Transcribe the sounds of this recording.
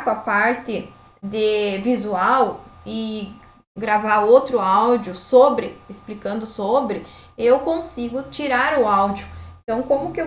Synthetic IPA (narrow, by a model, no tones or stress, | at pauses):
kʊapaɾt̪ɪ | d̪ɪvizuawɪ | ɡɾavaɾowt̪ɾʊawd͡ʒjʊsobɾɪesplikɐ̃nd̪ʊsobɾɪ | ewkõsiɡʊt͡ʃiɾaɾʊawd͡ʒʊẽt̪ɐ̃w̃kõmʊkɪew